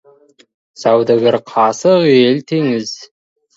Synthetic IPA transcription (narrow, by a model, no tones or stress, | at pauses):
sɑwd̪əɡɪɾqʰɑsəʁelt̪ʰeŋɪz̥